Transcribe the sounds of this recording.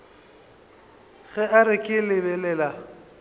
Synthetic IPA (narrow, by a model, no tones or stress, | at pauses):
ɣɛʔaɾɪkʼɪlɪbɛlɛːla